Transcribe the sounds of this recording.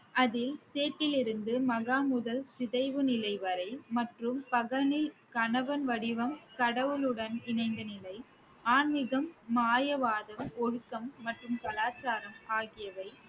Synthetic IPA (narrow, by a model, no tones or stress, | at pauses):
ʔɐðɪlseːʈːɪlɪɾɯnd̪ɯmɐɣaːmʊðɐlsɪðɐɪʋɯnɪlɐɪʋɐɾɐɪmɐʈrɯmpɐɣɐnɪlkɐɳɐʋɐnʋɐɽɪʋɐmkɐɽɐʋɯlɯɽɐnɪnɐɪnd̪ɐnɪlɐɪ | aːnmɪɣɐmːaːjɐʋaːðɐmɔɻɯkːɐmːɐʈrɯmkɐlaːt͡ʃːaːɾɐmaːɣɪjɐʋɐɪ